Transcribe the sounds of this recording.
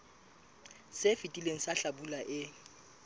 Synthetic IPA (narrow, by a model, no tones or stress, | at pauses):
sefitʼileŋ̩saɬabulaʔɪ